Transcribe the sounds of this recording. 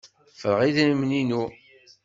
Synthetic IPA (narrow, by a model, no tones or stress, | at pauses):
fəɾəʁiðnmninu